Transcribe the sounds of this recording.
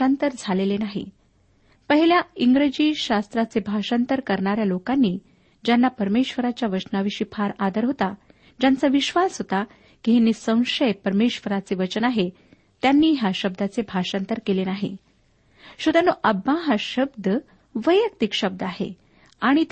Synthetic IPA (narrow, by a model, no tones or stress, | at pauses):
ant̪əɾd͡zʱalelenaɦḭ | pəɦiljaiŋɡɾed͡ʑiːɕast̪ɾat͡sebʱaɕant̪əɾkəɾɳaɾjalokanːiː | d͡ʑjanːapəɾmeɕʋəɾat͡ɕjaʋəʂnaʋiɕiːpʰaɾad̪əɾɦot̪a | d͡ʑant͡səʋiɕʋasɦot̪a | kiɦinːiːsə̃w̃ʂəjpəɾmeɕʋəɾat͡seʋət͡ɕənaɦe | t̪janːiːɦjaɕəb̚d̪ʱat͡sebʱaʂant̪əɾkelenaɦḭ | ɕud̪anːoʔəbːaɦaɕəbd̪ʱə | ʋəjjək̚t̪ikɕəb̚d̪əaɦḛ | aɽ̃it̪